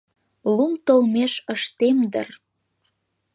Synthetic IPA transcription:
lumt̪olmeʃəʃt̪emd̪ə̰r

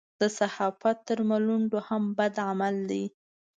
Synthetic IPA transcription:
d̪̥əsahɑfat̪ːəɾmaluɳɖohambad̪ʕamald̪i

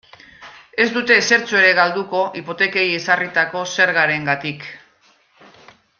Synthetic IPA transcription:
e̞zd̪ut̪e̞se̞ɾt͡sue̞ɾe̞ɣald̪uko̞ʔipo̞t̪e̞ke̞jesarit̪ako̞se̞ɾɣaɾe̞ŋɡat̪ik

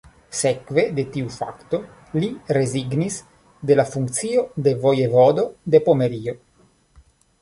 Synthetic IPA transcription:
sekve̞d̪et̪iufa̰kt̪o | liɾeziɡnis | d̪elafuŋkt̪siod̪evojevod̪od̪epomeɾio

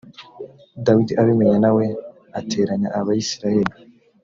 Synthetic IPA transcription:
dawidiʔaβimeɲanawe̞ | ate̞ːɾaɲaʔaβaisiɾaje̞ɾi

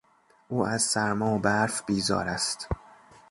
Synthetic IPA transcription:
ʔuːʔæzsæɾmɒːbæɾfbiːzɒ̰ːɾæst̪

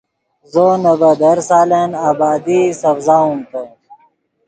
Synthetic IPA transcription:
zonɐbɐd̪ɐɾsaːlenaːbaːd̪isɐfzaːũmt̪e

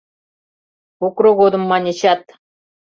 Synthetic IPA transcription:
ukroɣod̪ɤ̆mːɑnʲĕt͡ɕɑt̪

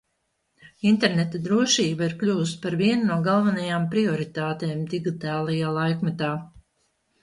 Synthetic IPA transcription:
int̪ɛɾnɛt̪ad̪ɾuɔʃiːbaiɾklʲuːs̬t̪paɾviɛnnuɔɡalˠvanajaːmpɾiɔɾit̪aːt̪eːmd̪iɡit̪aːlˠajaːlˠajkmɛt̪aː

